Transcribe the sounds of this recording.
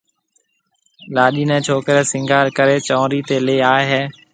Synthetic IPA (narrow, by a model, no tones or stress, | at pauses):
laːɗiːnɛ̃ːt͡ʃʰoːkɾɛːsɪŋɡʱaːɾkəɾeːt͡ʃɔ̃ːɾiːt̪eːleːaːeɦeː